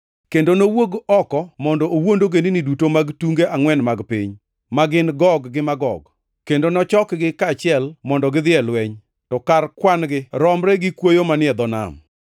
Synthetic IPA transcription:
kendonowoɡɔkɔmɔndɔowondoɡeninidutomaɡtuŋɡeʔaŋwɛnmaɡpiɲ | maɡɪnɡɔɡɡɪmaɡɔɡ | kendonɔt͡ʃɔkɡɪkat͡ʃɪɛlmɔndɔɡɪd̪ɪɛlwɛɲ | tɔkarkwanɡɪɾɔmɾɛɡɪkwojomanɪɛd̪ɔna̰m

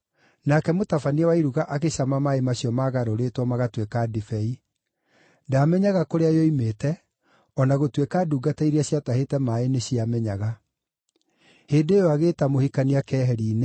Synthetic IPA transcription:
nakɛmotafaniawaiɾuɣaʔakeɕamamaemaɕiɔmaɣaɾoɾetwɔmaɣatwekadifɛi | damɛɲaɣakoɾeajɔimetɛ | ɔnaɣotwekaːduːɡataiɾiaɕjatahetɛmaeneɕiamɛɲaɣa | heːndejoaɣeːtamohikaniakɛːɦɛɾiːne

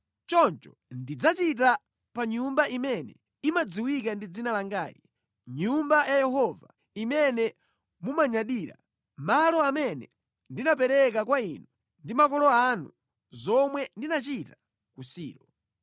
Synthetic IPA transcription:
t͡ʃɔnt͡ʃɔ | ndid͡zat͡ʃit̬a | paɲumbaʔimɛnɛ | imad͡ziwikandid͡zinalaŋɡaːji | ɲumbajajɛɦɔva̰ | imɛnɛ | mumaɲaɗiːɾa̰ | malɔamɛnɛ | ndinap̬ɛɾɛk̬akwainɔ | ndimakɔlɔanṵ | zɔmwɛndinat͡ʃita | kusḭːɾɔ

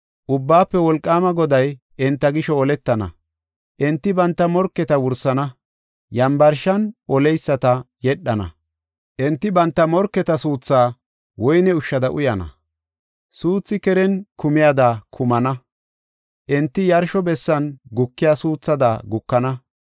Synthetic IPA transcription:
ʔʊbːaːpːɛwɔlkʼːaːmɐɡɔd̪ɐj | ʔɪnt̪ːɐɡɪʃɔɔlɛt̪ːɐnɐ̰ | ʔɛnt̪ːɪbɐnt̪ːɐmɔɾkːɛt̪ɐwʊɾsːɐnɐ | jɐmbɐɾʃɐnʔɔlɛjsːɐt̪ɐjɛɗːɐnɐ̰ | ʔɛnt̪ːɪbɐnt̪ːɐmɔɾkːɛt̪ɐsuːt͡sːaː | wɔjnɛʊʃːɐd̪ɐʔʊjɐnɐ̰ | suːt͡sːɪkɛɾɛnkʊmɪjaːd̪aːkʰʊmɐnɐ | ʔɛnt̪ːɪjɐɾʃɔbɛsːɐnɡʊkːɪjaːsuːt͡sːɐd̪a̰ɡʊkːɐnɐ

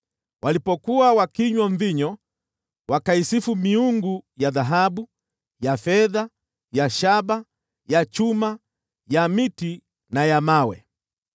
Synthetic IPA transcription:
wʔalipɔkuwawakiɲwɔɱviɲɔ | wakaisifumiuŋɡujaðaɦaɓu | jafɛða | jaʃaba | jat͡ʃuma | jamiti | najamawɛ̰

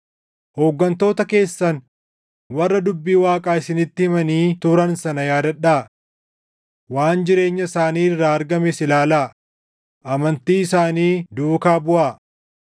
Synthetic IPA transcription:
hoːɡːɐnt̪o̞ːt̪ɐke̞ːsːɐn | wɐrːɐd̪ʊbːiːwaːkʼaːɪsɪnɪt̪ːɪhɪmɐniːt̪ʊɾɐnsɐnɐjaːd̪ɐᶑaː | waːnd͡ʒɪɾe̞ːɲːɐsaːniːrːaːɐɾɡɐmɛsɪlaːlaː | ʔɐmɐnt̪iːɪsaːniːd̪uːkaːbʊʔaː

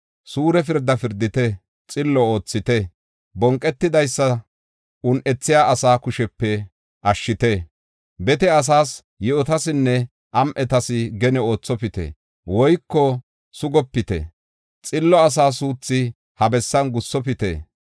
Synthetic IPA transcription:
suːɾɛfɪɾd̪ːɐfɪɾd̪ɪt̪ɛ | t͡sʼɪlːɔo̞ːt͡sːɪt̪ɛ | bɔŋkʼːɛt̪ːɪd̪ɐjsːɐ | ʊnʔɛt͡sːɪjaːʔɐsaːkʊʃɛpːɛ | ʔɐʃːɪt̪ɛ | bɛt̪ɛɐs̬aːs | jɛɔt̪ɐsɪnːɛ | ʔɐmʔɛt̪ɐsɪɡɛnɛo̞ːt͡sːɔpɪt̪ɛ̰ | wɔjkːɔ | sʊɡɔpːɪt̪ɛ̰ | t͡sʼɪlːɔɐs̬aːs̬uːt͡sːɪ | hɐbɛsːɐnɡʊsːɔpɪt̪ḛ

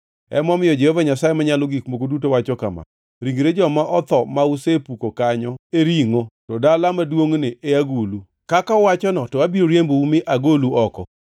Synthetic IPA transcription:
ɛ̰mɔmɪjɔd͡ʒɛhovaɲasajemaɲalɔɡikmokodut̬owat͡ʃɔkama̰ | ɾiŋɡɾed͡ʒɔmaʔɔt̪ɔmausepukokaɲɔeɾiŋotɔdalamadwoŋnɪʔeaɡulu | kakaɔwat͡ʃɔnɔtɔabiɾoɾjemboumɪʔaɡoluɔkɔ

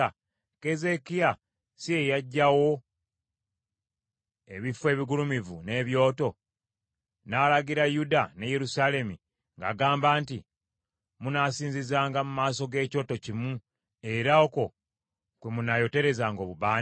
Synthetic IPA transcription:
ke̞ze̞kija | sije̞jaɟːawo̞ | e̞βifwe̞ːβiɡulumivune̞ːβjo̞ːto̞ | naːlaɡiɾajudaneje̞ɾusaːle̞mi | ŋɡa̰ːɡaːmbaːnti | munaːsiːnzizaːŋɡamumaːso̞ɡe̞ːco̞ːto̞cimu | e̞ɾaoko̞ | kwemunajo̞te̞ɾe̞zaːŋɡo̞ːβuβaːn

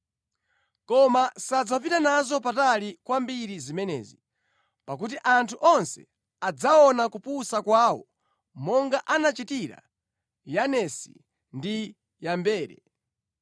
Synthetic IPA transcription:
kɔmasad͡zapitanazɔpatalikwambiɾizimɛnɛ̰ːzi | pak̬ut̬iʔantʰuʔɔnsɛ̰ | ad͡zaɔnakupusakwaːwɔ̰ | mɔŋɡaʔanat͡ʃitiɾa̰ | janɛsḭ | ndi | jambɛːɾɛ̰

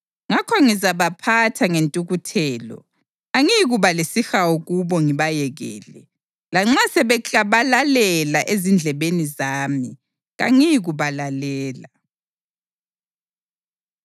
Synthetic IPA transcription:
ŋakʰɔŋizaβapʰatʰaŋentʼuɣutʰɛːlɔ̰ | aŋijɣuβalesixawoɣuβɔŋiβajɛɣɛ̰ːlɛ | laŋ͡ǁasɛβɛt͡ɬʼaβalalɛlaʔezind͡ɮʱɛβenizaːmi | ɣa̰ŋijiɣuβalalɛːla

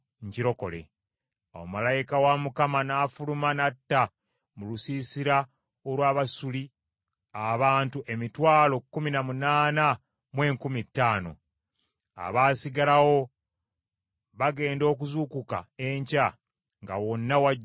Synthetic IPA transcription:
ɲciɾo̞ko̞̰le̞̰ | a̰wo̰malajikawamukamanaːfulumanatːa | mulusisiɾa | olwaːβasuli | aβaːntuʔe̞mitwaːlo̞kːuminamunaːna | mwe̞ːŋkumitːaːno̞̰ | a̰βaːsiɡalawo̞ | βaɡe̞ːndo̞ːkuzuːkuka̰e̞ɲca | ŋɡawo̞nːawa

